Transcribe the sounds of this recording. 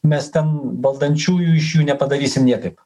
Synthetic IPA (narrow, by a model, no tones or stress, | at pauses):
mʲɛst̪ʲɛnbɐlˠd̪ɐnʲt͡ʃuːjuɪʃjuːnʲɛpɐd̪ɐɾʲiːsʲɪmnʲɛt̪ɐp